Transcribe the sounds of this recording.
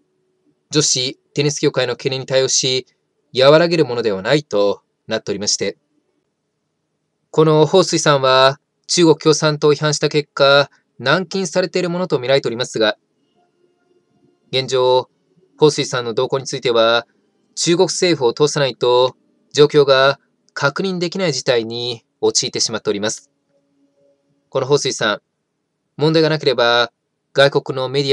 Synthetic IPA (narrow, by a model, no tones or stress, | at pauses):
d͡ʑo̞ɕit̪e̞ɲisɨ̥kʲo̞ːkaino̞keneɲ̟ːit̪ajo̞ːɕi | jaβaɾaɡe̞ɾɯ̟mo̞no̞d̪e̞β̞anait̪o̞ | nat̪ːe̞o̞ɾʲimaɕi̥t̪e̞ | ko̞no̞ho̞ːsɨisãɰ̃βa | t͡ɕɨːɡo̞kɯ̟̥kʲo̞ːsãnt̪o̞çiɦãɰ̃ɕi̥t̪ake̞kːa | nãŋkʲĩɰ̃saɾe̞t̪e̞iɾɯ̟mo̞no̞t̪o̞mʲiɾaet̪e̞oɾimasɨɡa | ɡẽ̞ɲ̟d͡ʑo̞ː | ho̞ːsɨiːsãnːo̞d̪o̞ːko̞ːɲ̟it͡sɨit̪e̞βa | t͡ɕɨːɡo̞kɯ̟̥se̞ːɸɯ̟ot̪o̞ːsanait̪o̞ | d͡ʑo̞ːkʲo̞ːɡa | kʰakɯ̟ɲ̟ĩnd̪e̞kʲinaid͡ʑit̪aiɲ̟i | o̞t͡ɕiːt̪e̞ɕimat̪ːe̞o̞ɾʲimasɨ̥ | ko̞no̞ɦo̞ːsɨiːsãŋ | mõnd̪aiɡanak̬e̞ɾe̞ba | ɡ̥aiko̞kɯ̟no̞me̞d̪ʲi